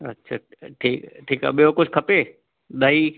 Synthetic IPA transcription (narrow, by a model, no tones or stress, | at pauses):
ɐtːɕʰaʈʰiːkʈʰiːka̰ɓijokʊd͡ʑʱkʰɐpe | ɗ̪ɐiː